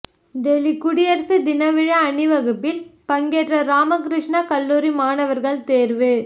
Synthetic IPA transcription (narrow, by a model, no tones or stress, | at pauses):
ɖɛlikʊɽɪjɐɾsɯd̪ɪnɐʋɪɻɐːnɯʋɐɣɯpːɪlpɐŋɡeːʈrɐɾaːmɐkɾɪʂɳɐkɐlːuːɾimaːnɐʋɐɾɣɐɭt̪eːɾʋɯ